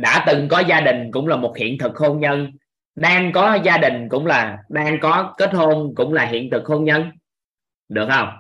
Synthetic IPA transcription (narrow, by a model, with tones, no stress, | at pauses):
ɗa̰ː˧˥t̪ɨ˨˩ŋkɔ˨˦zaː˧ɗï˨˩ŋ̟kʊ̰˧˥ŋ͡mlaː˨˩mo˨˩t̚hḭ˧˨ənt̪ʰɨ˨˩k̚ho˧nɲə˧n | ɗaː˧ŋkɔ˨˦zaː˧ɗï˨˩ŋ̟kʊ̰˧˥wŋ͡mlaː˨˩ɗaː˧ŋkɔ˨˦ke˦˥t̚ho˧nkʊ̰˧˥ŋ͡mlaː˨˩ɦḭ˧˨ənt̪ʰɨ˨˩k̚ho˧nɲə˧n | ɗɨ˨˩ək̚hə˧wŋ͡m